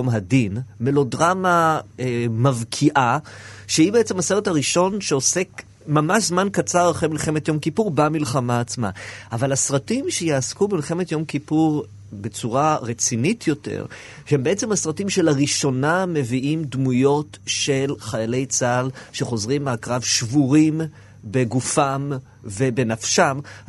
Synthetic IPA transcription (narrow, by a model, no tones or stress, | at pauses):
omɦadinme̞lo̞dʁamaemavkʰiʔaʃeibeet͡semhaseʁethaʁiʃo̞nʃeo̞se̞k | mamaʃzmankat͡saʁaχʁemilχe̞metjo̞mkipuʁbamilχamaːt͡sma̰ʔavalasʁatimʃejaːskubemilχe̞me̞tjo̞mkipuʁ | be̞t͡suʁaʁet͡sinitʰjo̞tḛʁ | ʃehembeet͡se̞mhasʁatimʃe̞laʁiʃo̞name̞viʔimdmujo̞tʃe̞lχajale̞jt͡salʃe̞χo̞zʁimːeakʁavʃvuʁim | beɡufam | ve̞be̞nafʃam